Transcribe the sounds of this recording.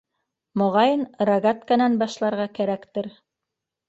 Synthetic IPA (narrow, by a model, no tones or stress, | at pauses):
mŏʁɑjɤnraɡat̪kɑnɑnbɑʃlˠɑɾʁɑkæɾækt̪ɘɾ